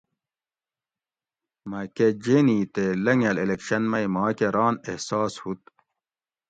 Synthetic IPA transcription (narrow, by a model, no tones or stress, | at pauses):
mɐked͡ʑeniːt̪elɐŋɐlelekɕɐnmɐimɑːkeɾɑːnehsɑːshut̪̚